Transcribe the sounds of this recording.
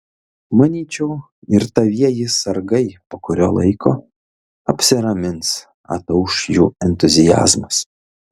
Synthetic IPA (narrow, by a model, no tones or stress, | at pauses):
mɐnʲiːt͡ʃʲɛʊ | ɪɾt̪ɐʋʲiɛjɪsɐɾɡɐɪpoːkʊɾʲoːlˠɐ̰ɪkʰoː | ɐpʲsʲɪɾɐmʲɪns | ɐ̰t̪ɐʊʃjṵːɛnʲt̪ʊzʲɪjæ̰ːzmɐs